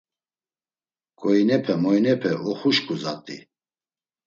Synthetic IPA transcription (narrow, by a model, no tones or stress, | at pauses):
kʼɔinɛpʰɛmɔjnɛpʰɛʔɔχuʃkʰʼuza̰t̪ʼḭ